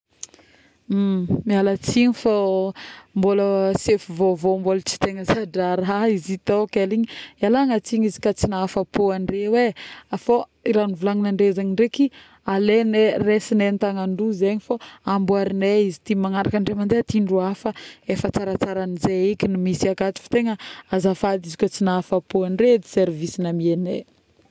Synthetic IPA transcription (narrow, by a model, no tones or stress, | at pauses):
mialat͡siɲifo | mboləsefuvovombolət͡si̥t̪eŋəzaɖ͡ʐaɾaizit̪okeliɲialaŋat͡siɲizi̥kat͡sinaafapoaɳɖ͡ʐeweafo | iɾanivulaŋinaɳɖ͡ʐezaɲiɳɖ͡ʐeki | aleneresinent̪aŋaɳɖ͡ʐuzeɲifoambuaɾineizit̪imaŋaɾakaɳɖ͡ʐemand̪eat̪iɳɖ͡ʐuafəefət͡saɾat͡saɾanizeikʲinimisiakat̪i̥fḁt̪eŋəazafad̪izikʲot͡sinaafapoaɳɖ͡ʐed̪iseɾvisinamiene